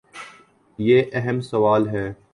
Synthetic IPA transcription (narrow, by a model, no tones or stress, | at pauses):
jeːʔɛɦɛmsɐʋaːlɦɛː